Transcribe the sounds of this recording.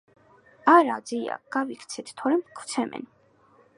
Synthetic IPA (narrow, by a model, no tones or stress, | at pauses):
aɾad̪zija̰ɡ̥avikʰt̪sʰɛt̪ʰt̪ʰɔɾɛmkʰw̥t̪sʰɛmɛ̰n